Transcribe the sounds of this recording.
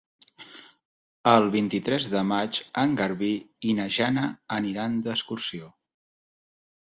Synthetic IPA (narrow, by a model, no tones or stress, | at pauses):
əlˠβint̪it̪ɾɛzðəmat͡ʃəŋɡəɾβiinəʒanəːniɾand̪əskursio